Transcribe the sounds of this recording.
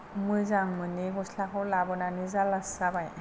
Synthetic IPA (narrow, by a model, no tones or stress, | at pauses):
mɯjzaŋmɯniɡɔslakʰɔlabɔnanizalasabaj